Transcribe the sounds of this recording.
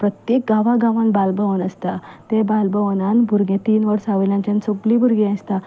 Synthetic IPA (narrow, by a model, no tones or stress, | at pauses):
pɾət̪jek̚ɡaʋaɡaʋanbalbəʋənəst̪at̪ebalbəʋənanbʱuɾɡẽt̪iːnʋəɾsaʋljãɲt͡ɕansoklibʱuɾɡẽãst̪a